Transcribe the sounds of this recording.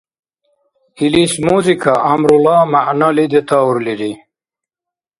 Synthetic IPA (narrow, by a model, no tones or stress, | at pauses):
ilismuːzikaamɾulaːmaʔnalid̪et̪auɾliɾi